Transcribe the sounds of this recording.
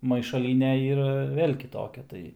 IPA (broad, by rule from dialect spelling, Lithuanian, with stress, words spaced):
mɐɪʃɐˈlʲiːnʲɛ ˈiːrɐ ˈʋʲeːlʲ kʲɪˈtoːkʲɛ ˈtɐɪ